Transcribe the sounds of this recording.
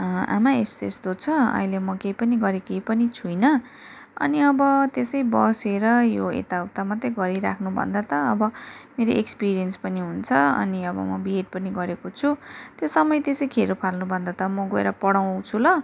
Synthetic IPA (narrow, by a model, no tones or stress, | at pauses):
a̰maest̪ḛst̪ot͡sʰʌʌ̰ɦilemʌkejpʌniɡʌɾekejpʌnit͡sʰujnʌ | ʌ̰niʌbʌt̪esʌjbʌseɾʌjoḛt̪awt̪amʌt̪ːʌɡʌɾiɾa̰kʰnubʱʌ̰nd̪at̪ʌʌbʌmeɾoʔekspiɾijʌnspʌniɦunt͡sʰʌʌ̰niʌbʌ̰mʌbiɦeʈ̚pʌniɡʌɾekot͡sʰut̪josʌmʌjt̪esʌjkʰeɾupʰalnubʱʌnd̪at̪ʌmʌɡoḛɾʌpʌɽaw̃t͡sʰulʌ